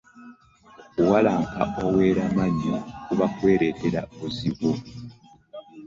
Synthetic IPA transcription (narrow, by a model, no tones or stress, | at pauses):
walaːŋka̰owe̞ɾamaɲokuβakwe̞ːɾe̞teɾauziβo